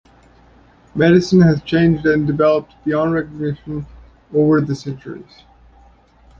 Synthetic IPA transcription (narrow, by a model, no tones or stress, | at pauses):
mɛɾɨsɨ̃n̩ɨz̥t͡ʃʰẽɪ̃nd͡ʒdɨ̃ndɨvɛlˠəp̚t̚b̥iɑ̃nɹɛkəɡ̚nɪʃn | oʊvə˞ðɨsɛ̃nt͡ʃə̰˞ḭz̥